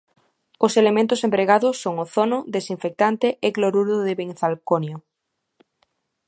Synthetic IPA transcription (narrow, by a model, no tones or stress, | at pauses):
oselemẽnt̪osempɾeɣaðosːoŋoθonod̪esiɱfek̚t̪ant̪eʔekloɾuɾðoðeβeŋθalkonjo